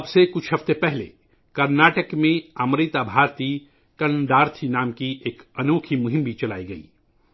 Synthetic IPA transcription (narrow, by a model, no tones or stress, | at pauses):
ɐbsekʊt͡ʃʰɦɐft̪epɛɦlḛ | kɐɾnaːʈəkmẽamɾɪt̪aːbʱaːɾt̪iː | kɐnd̪aːɾt̪ʰinaːmkiʔeːkɐnoːkʰimʊɦɪ̃mbʱit͡ʃɐla̰ːiɡɐḭː